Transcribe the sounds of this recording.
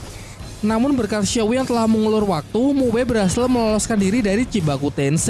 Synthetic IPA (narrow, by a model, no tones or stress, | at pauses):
namʊnbərkat̪̚ʃawjaŋt̪əlahməŋulʊrwak̚t̪umuwebəɾɦasɪlməlɔlɔskandiɾidaɾit͡ʃibakut̪ens